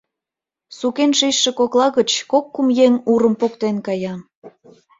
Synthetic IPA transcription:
sukenʃiʃːĕkoklɑɣət͡ɕkokːumjeŋuɾə̆mpokt̪enkɑjɑ

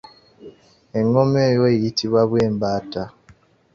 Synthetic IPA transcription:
e̞ŋːo̞meːjoejitʰiβwaβwe̞ːmbaːta

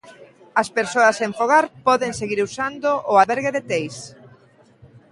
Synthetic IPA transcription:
ɐspeɾsoɐseɱfoɣaɾpɔðeŋseɣiɾusand̪oʔoaβeɾɣeðet̪ejs

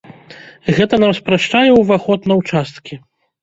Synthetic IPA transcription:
ɣɛt̪ɐnamspɾaʂt͡ʂajɛwvaxɔt̪nɐwt͡ʂast̪kʲi

